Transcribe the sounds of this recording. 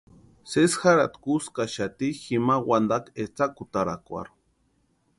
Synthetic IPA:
sesxaɾat̪kuskaʃat̪iximawand̪aket͡sakut̪aɾakʷa̰ɾ

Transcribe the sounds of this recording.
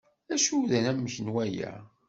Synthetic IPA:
æʃuðænæmːəçənwæjæ̰

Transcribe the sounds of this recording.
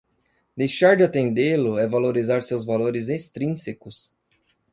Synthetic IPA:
d̪ejʃaɾd͡ʒɪat̪ẽnd̪elʊɛvaloɾizaɾsewzvaloɾɪzest̪ɾĩsekʊs

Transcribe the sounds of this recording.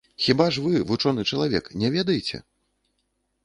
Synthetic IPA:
xʲibaʐvɨvut͡ʂɔnɨt͡ʂɐlˠavʲɛknʲɛvʲɛd̪ɐjɛt͡sʲɛ̰

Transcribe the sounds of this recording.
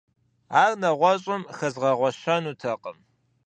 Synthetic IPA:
aːrnɐʁʷɔɕʼʊmxɐzʁɐʁʷɔʃɐnuːtʰɐqʼə̰m

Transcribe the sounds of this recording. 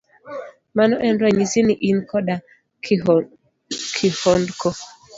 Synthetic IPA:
manɔʔɛndwaɲisiniʔinkɔɗa | kʰihɔndkɔ

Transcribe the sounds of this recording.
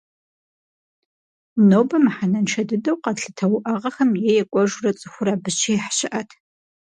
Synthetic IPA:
noːbɐmħanɐnʈ͡ʂʰɐdɨdɐwqɐɬɨtʰɐwʊʔɐʁɐxɐmjejɛkʷʼɔʒʊrɐt͡sʼɨxʷʊɾaːbɨt͡ʃʰijħɕɪʔɐtʰ

